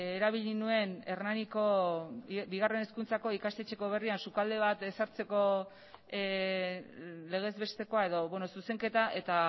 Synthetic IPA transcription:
eɾaβ̞iʎinue̞neɾnaniko̞ | biɣ̞are̞ne̞skunt͡sako̞ikast̪e̞t͡ʃe̞ko̞β̞e̞riansukald̪e̞β̞at̪e̞saɾt͡se̞ko̞ | le̞ɣ̞e̞zβe̞st̪e̞ko̞ae̞ðo̞βwenosuse̞ŋke̞t̪aʔe̞t̪a

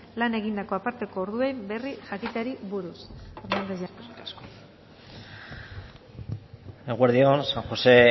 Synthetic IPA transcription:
lane̞ɣind̪ako̞apaɾt̪e̞ko̞ːɾðue̞jmbe̞riʝakit̪aɾiβuɾusaɾmand̪aʝask | eɣweɾðionsaŋxo̞se̞

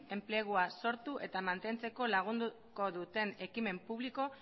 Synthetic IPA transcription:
e̞mple̞ɣ̞uaso̞ɾt̪uʔe̞t̪amant̪e̞nt͡se̞ko̞laɣ̞und̪u | ko̞ðut̪e̞ne̞kime̞mpuβ̞liko̞

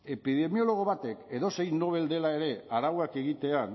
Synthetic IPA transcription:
e̞piðe̞mio̞lo̞ɣ̞o̞βat̪e̞ke̞ðo̞se̞jno̞β̞e̞ld̪e̞lae̞ɾe̞aɾawake̞ɣit̪e̞an

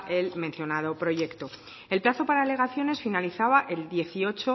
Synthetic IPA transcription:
ʔe̞lmẽnθjo̞nað̞o̞pɾo̞je̞kt̪o̞ | e̞lplaθo̞paɾaːle̞ɣ̞aθjo̞ne̞sfinaliθaβaʔe̞ld̪je̞θio̞t͡ʃo̞

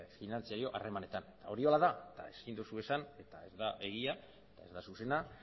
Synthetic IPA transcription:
finant͡siaɾio̞ʔa̰re̞mane̞t̪anet̪ao̞ɾio̞laðat̪ae̞skind̪usue̞sane̞t̪ae̞zd̪aʔe̞ɣ̞ia | et̪ae̞zd̪asuse̞na

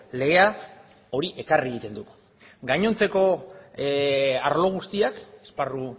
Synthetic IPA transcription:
le̞ɣe̞a | o̞ɾiʔe̞kariɣit̪e̞nd̪uk | ɡajɲo̞nt͡se̞ko̞ | aɾlo̞ɣ̞ust̪iakesparu

